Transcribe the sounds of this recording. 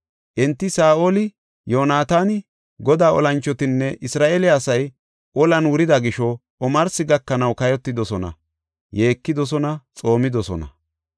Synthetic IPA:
ʔɛnt̪ːɪsaːʔoːlɪ | joːnaːt̪aːnɪ | ɡɔd̪aːɔ̰lɐnt͡ʃːɔt̪ɪnːɛʔɪsɾaːʔelɪaːsɐj | ʔɔlɐnwʊɾɪd̪ɐɡɪʃɔ | ɔmɐɾsɪɡɐkːɐnɐwkɐjɔt̪ːɪd̪ɔsɔnɐ̰ | je̞ːkːɪd̪ɔs̬ɔnɐt͡sʼo̞ːmɪd̪ɔsɔ̰nɐ̰

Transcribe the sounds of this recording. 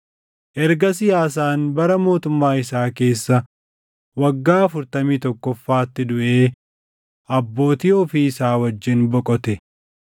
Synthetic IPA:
ʔɛɾɡɐsɪjaːs̬aːnbɐɾɐmo̞ːt̪ʊmːaːɪsaːke̞ːsːɐ | wɐɡːaːɐfʊɾt̪ɐmiːt̪ɔkːɔfːaːɐt̪ːɪd̪ʊʔe̞ː | ʔɐbːo̞ːt̪iːɔfiːɪsaːwɐd͡ʒːɪnbɔkʼɔt̪ɛ

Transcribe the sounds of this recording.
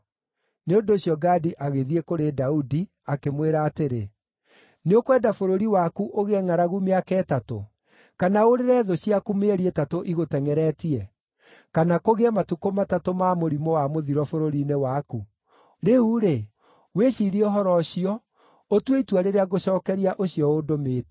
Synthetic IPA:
neondoːɕjɔɡadiʔaɣeðiekoɾedaudi | akemweɾaːteɾe | neokwɛdafoɾoɾiwakuʔoɣeɛŋaɾaɣumeakɛːtato̰ | kanaoɾeɾɛðoɕiakumeɾietatoʔiɣotɛŋɛɾɛtiɛ | kanakoɣeɛmatukomatatomamoɾimɔwamoðiɾɔfoɾoɾinewaku | ɾeuɾe | weɕiɾioɦɔɾɔɕiɔ | otweitwaɾeɾeaɣoɕɔːkɛɾiaʔoɕiɔodomet

